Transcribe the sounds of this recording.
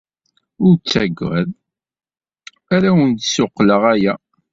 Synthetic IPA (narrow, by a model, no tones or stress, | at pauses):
ʊɾt͡sːæɡʷːæ̰ð | æɾæwənt̪sʊqːləʁæjæ